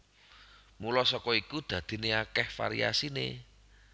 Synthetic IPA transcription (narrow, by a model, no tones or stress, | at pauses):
mulɔsɔkɔikud̪̥ä̤d̪̥i̤neakɛhfa̰ɾḭa̰sinḛ